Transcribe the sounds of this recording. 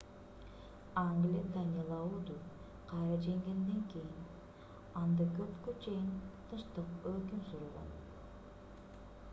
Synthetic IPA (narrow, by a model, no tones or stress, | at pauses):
ɑŋɡlʲid̪ɑnʲɑlˠɑud̪u | qʰɑjɾɑd͡ʒeŋɡʲe̞nd̪eŋkʲejin | ɑnd̪ɯkøpkyt͡ʃejint̪ʰɯʃt̪ɯqøkʲymsuɾulˠʁɑ̰n